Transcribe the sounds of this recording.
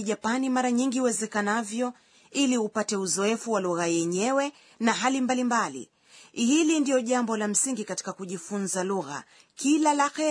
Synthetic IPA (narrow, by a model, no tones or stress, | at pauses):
ʄapanimaɾaɲiŋɡiuwɛzɛkanavjɔ | iliupatɛuzɔɛfuwaluɣajɛɲɛwɛ | naɦalimbalimbalḭ | hilindijɔʄambɔlam̩siŋɡikati̥kakuʄifunzaluɣa̰ | kilalaxɛ